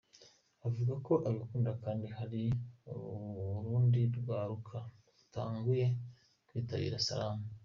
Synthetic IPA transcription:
avuɡako̞ʔaɡakuːndakaːndihaɾi | uɾuːndiɾɡaːɾukʰa | utaːŋɡuje̞ | kwiːtaβḭːɾasa̰ɾaːma

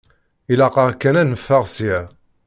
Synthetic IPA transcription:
ilɑqɑʁkːænænəfːəʁsjæ

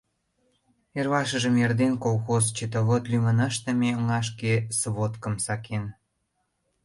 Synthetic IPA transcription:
erβɑʃə̆ʒə̆merd̪enkolˠxozt͡ɕet̪əβot̪lymənɑʃt̪ə̆meəŋɑʃ̬kesβot̪kə̆msɑkʰen

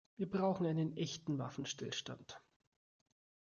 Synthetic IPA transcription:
viːɐbʁaʊxŋ̩aɪnənʔɛçtn̩va̰fn̩ʃtɪlʃta̰nt

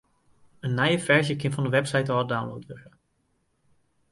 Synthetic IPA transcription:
ənːajəfɛɹʒjəkɪnfɑndəʋɛpsɛjtɔdawnlowtʋəχə

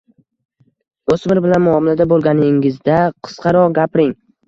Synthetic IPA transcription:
osmɪɾbɪlanmʊɒmɪlad̪abolˠɡʲanɪŋɪzd̪aqʰɨ̥sqʰɑɾɒʁɡʲapɾɪŋ

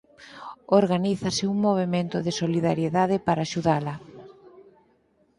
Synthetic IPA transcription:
oɾɣaniθɐsɪuŋmoβ̞emẽnt̪ʊðɪsoliðaɾjeðaðɪpaɾaːʃuðalɐ

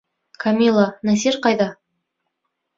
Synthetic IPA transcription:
kʰamʲilˠanæs̬eɾqɑjd̪ɑ

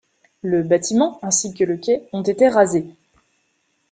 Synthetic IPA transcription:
ləbat̪ʰimɑ̃ɛ̃sikələkʲɛɔ̃t̪et̪eʁaze

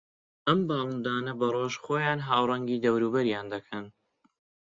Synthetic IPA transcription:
ʔɐmbɑːlˠund̪aːnɐbɐroːʒxoːjaːnɦaːwrˤɐŋɡiːd̪ɐwɾuːbɐɾjaːnd̪ɐkʰɐn

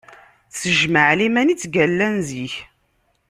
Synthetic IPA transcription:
θsəʒməʕlimænit͡sːɡælːænziç

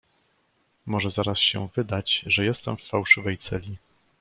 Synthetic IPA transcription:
mɔʐɛzaɾasɕɛ̰vɘd̪at͡ɕʐɛjɛst̪ɛmfːawʂɘvɛjt̪sɛlʲi

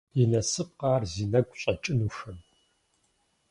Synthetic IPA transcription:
jinɐsɨp̚qɑːrziːnɐɡʷʼɕʼɐt͡ʃʼɪnuːʂɐm

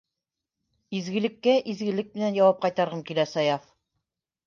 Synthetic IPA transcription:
izɡɘ̆lɘ̆kːæʔizɡɘ̆lɘk̚mɘ̆nænjɑwɑp̚qɑjt̪ɑɾʁɤmkilæsɑjaf

